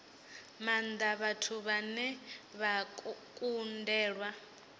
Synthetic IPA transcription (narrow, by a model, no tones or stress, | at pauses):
mand̪aβatʰuβanɛβakʼundɛːɺwa